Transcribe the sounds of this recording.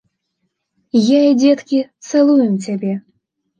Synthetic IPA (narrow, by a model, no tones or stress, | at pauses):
jaid͡zʲɛt̪kʲit̪sɨlˠujɛmt͡sʲabʲɛ